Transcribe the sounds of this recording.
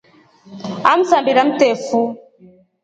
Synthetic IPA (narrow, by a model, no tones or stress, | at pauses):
am̩sambiɾam̩tɛfu